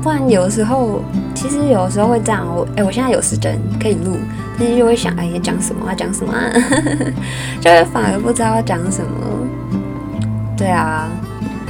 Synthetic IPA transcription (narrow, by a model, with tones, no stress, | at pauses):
t̪a˥˩a˧˦njo˨˩ə˦ʂ̬ɻ̩˧˥xo˥˧ʊt͡ɕʰi˧˥ʂɻ̩˧˥jo˨˩ʊəʂ̬ɻ̩˧˥xo˥˧ʊxwe˥˧ɪʈ͡ʂwɔ˨˩ʔe˥˩wɔ˨ɕjɛ˥˧nt͡sa˥˩jo˨˩ʂɹ̩˥˩ʈ͡ʂə̰˧˥˦nkʰɤ˧˥i˨˩lu˥˩ | t͡ɕʰi˧˥ʂɻ̩˧˥t͡ɕo˥˧ʊxwe˥˩ɕjɑ̰˨˩ŋʔe˥˧˩t͡ɕjɑ̰˨˥ŋʂə˨˩˦mə̰˧˦a˧t͡ɕjɑ˨˩ŋʂə˨˩˦mə̰˧˩a̰˧˦ | t͡ɕjo˥˧ʊxwe˥˩ɪfa˨˩nə˞˧˥pu˥˩ʈ͡ʂɻ̩˥ɑ˥˩t͡ɕjɑ˨˥ŋʂə˨˩nmə̰˦ | t̪we˥˩ɪa˩